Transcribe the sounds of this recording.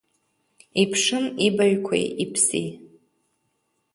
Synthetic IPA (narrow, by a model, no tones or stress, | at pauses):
ipʰʂɨmibaɥkʷʰa̰jipʰsḭ